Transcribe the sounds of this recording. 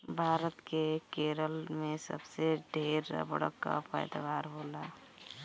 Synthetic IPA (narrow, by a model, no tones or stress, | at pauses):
bʱaːɾət̪kekeːɾəlmẽsə̰bseɖʱeːɾ̰bə̰ɽ̤ə̰kːa̰pəjd̪aʋaːɾɦoːla